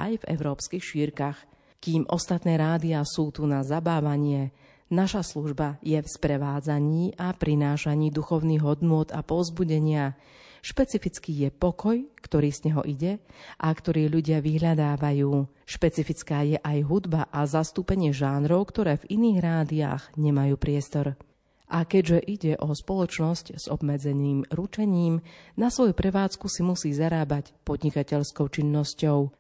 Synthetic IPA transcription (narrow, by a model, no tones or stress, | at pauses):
ʔa̰jvɛ̰ʊɾɔːpskixʃiːɾkax | kiːmʔɔst̪at̪nɛːɾaːd̪iasuːt̪unazabaːʋaɲɪɛ | naʃasluʒbajɛfspɾɛʋaːd͡zaɲiːʔapɾinaːʃaɲiːd̪uxɔʊniːɣɦɔd̪nʊɔd̪apɔzbuɟɛɲɪa | ʃpɛt͡sifit͡skiːjɛpɔkɔjkt̪ɔɾiːz̥ɲɛɦɔ̰ʔiɟɛʔakt̪ɔɾiːʎuɟɪaʋiɦʎad̪aːʋajuː | ʃpɛt͡sifit͡skaːjɛʔajɦud̪baʔazast̪uːpɛɲɪɛʒaːnɾɔʊkt̪ɔɾɛːviniːɣɾaːd̪ia̰ːɣɲɛmajuːpɾɪɛst̪ɔɾ | ʔakɛɟʒɛʔiɟɛʔɔspɔlˠɔt͡ʃnɔscz̥ɔ̰bmɛd͡zɛniːmɾut͡ʃɛɲiːmnasʋɔjupɾɛʋaːt͡skusimusiːzaɾaːbacpɔd̪ɲikacɛʎskɔʊt͡ʃinːɔscɔʊ